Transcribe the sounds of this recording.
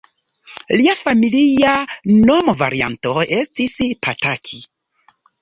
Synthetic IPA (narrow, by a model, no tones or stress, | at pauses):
liafamilianomva̰ɾia̰nto̞e̞stispʰatakʰi